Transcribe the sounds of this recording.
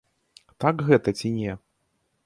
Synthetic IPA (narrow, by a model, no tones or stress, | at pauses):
t̪akɣɛt̪ɐt͡sʲinʲɛ